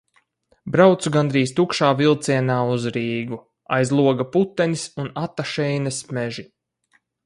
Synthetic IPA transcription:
bɾawt̪suɡand̪ɾiːst̪ukʃaːvilˠt̪siɛnaːuzɾiːɡu | a̰jzlˠuɔɡaput̪ːɛnisunat̪ːaʃɛjnɐsmɛʒi

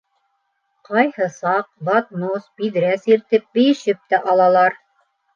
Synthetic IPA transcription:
qɑjhɤsɑq̚bɑt̪nosbiðɾæsiɾt̪ɘp̚bɘ̆jɘ̆ʃɘp̚t̪æʔɑlˠɑlˠɑɾ

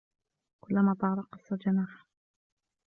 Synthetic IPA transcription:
kʊlːamaːt̪ˤɑʕɾˤɑqɑsˤːɑld͡ʒanaːħ

